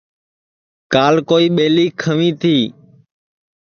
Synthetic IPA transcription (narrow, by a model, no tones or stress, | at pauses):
kaːlkoːiːɓeːliːkʰəʋĩːt̪ʰiː